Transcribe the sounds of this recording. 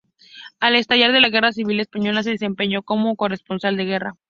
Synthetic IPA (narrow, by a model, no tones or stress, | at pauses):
ale̞st̪aʝaɾðe̞laɣe̞ras̬iβ̞ile̞spaɲo̞las̬e̞ð̞e̞se̞mpe̞ɲo̞ko̞moko̞re̞spo̞nsald̪e̞ɣ̞e̞ra̰